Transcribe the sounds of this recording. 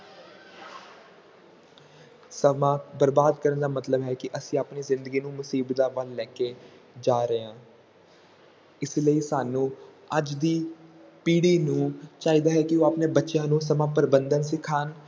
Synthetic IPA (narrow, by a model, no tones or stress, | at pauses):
səmãːbəɾbaːd̪kəɾənd̪aːmət̪ləbɦɛːkɪʔəsĩːapniːzɪ̃nd̪əɡiːnũːmʊsiːbt̪aːʋəlːɛːke | d͡ʒaːɾəãː | ɪsləiːsaːnũː | əd͡ʒd̪iːpiːɽiːnũːt͡ʃaːiːd̪aːɦɛːkɪoːapneːbətːʃjãːnũːsəmãːpəɾbənd̪ənsɪkʰaːn